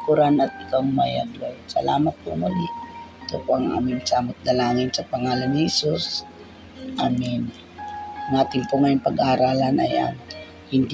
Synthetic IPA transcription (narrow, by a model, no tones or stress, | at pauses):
kʊɾanɐt̪̚ɪkawŋmaja̰ɡlojsɐ̰la̰ːmat̪̚pʊʔmaliʔt̪opoaŋa̰ːmɪnsaːmʊt̪̚d̪ɐlaːŋɪnsɐpɐŋaːlanɪhɛsus | ʔaːmɪn | naːt̪ɪnpoŋajʊŋpɐɡaʔaɾaːlɐnʔa̰ja̰n | hɪnd̪